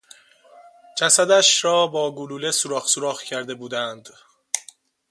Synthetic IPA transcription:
d͡ʒæsæd̪æʃɾɒːbɒːɡuluːlesuɾɒːxsuɾɒːxcʰæɾd̪e̞buːd̪ænd̪

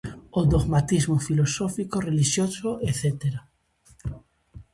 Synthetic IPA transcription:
od̪oɣmat̪izmofilosofikoreliʃjosoʔeθet̪eɾa

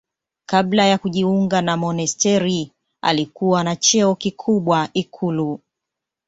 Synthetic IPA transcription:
kablajakuʄiuŋɡanamɔnɛstɛɾi | a̰likuwanat͡ʃɛɔkikʰuɓwaikʰulu

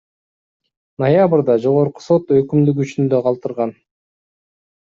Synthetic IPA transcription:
nojabɨɾd̪ɑd͡ʒo̞ʁoɾqu̥so̞t̪økymd̪ykyt͡ʃynd̪ø̞qʰɑlˠt̪ɯɾʁɑn

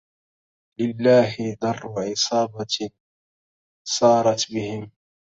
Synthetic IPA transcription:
lɪlːaːɦɪd̪ɑrˤːʊʕɪsˤɑːbɑ | sˤɑːɾˤɑt̪bɪhɪm

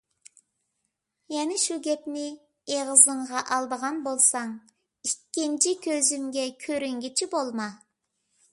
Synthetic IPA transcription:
jɛnɪʃuɡʲɛpnɪ | eʁəzəɴʁɑʔɑlˠd̪əʁɑnbolˠsɑŋ | ikʲːint͡ʃʰikʲʰøzymɡʲɛkʲʰøɾyŋɡʲit͡ʃʰibolˠmɑ

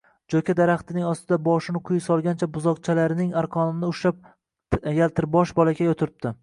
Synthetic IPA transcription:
d͡ʒokʲʰad̪aɾaχt̪ʰɪnɪŋɒst̪ʰɪd̪abɒʃɪnɪqʰʊjsɒlˠɡʲant͡ʃʰabʊzɒq̚t͡ʃʰalaɾɪnɪŋaɾqʰɒnɪnɪʊʃap̚ | jalt̪ʰɪɾbɒʃbɒlaɡʲajɒt̪ʰɪɾɪp̚d̪ɪ

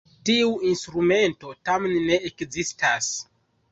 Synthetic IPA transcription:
tiuinstɾume̞nto̞tamenːe̞ekzistas

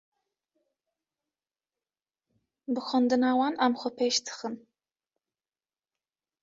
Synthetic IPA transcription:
bɨxʷɔnd̪ɨnaːwɑːnamxʷɔpʰeːʃt̪ʰɨ̥xɨn

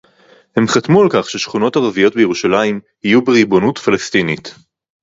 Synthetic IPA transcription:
he̞mχatmualkaχʃeʃχuno̞taʁavijo̞t̚bejeʁuʃalaim | hijubeʁibo̞nutfalestinit

